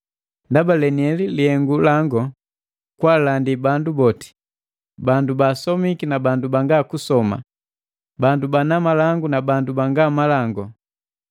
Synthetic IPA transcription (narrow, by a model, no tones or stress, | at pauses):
ndabalɛniɛlilihɛŋɡulaŋɡɔ | kwalandibandubɔti̥ | bandubasɔmikinabandubaŋɡaːkusɔma̰ | bandubanamalaŋɡunabandubaŋɡamalaŋɡɔ